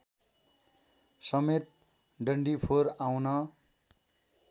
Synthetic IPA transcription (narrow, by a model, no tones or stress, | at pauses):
sʌmet̪̚ | ɖʌɳɖipʰoɾawnʌ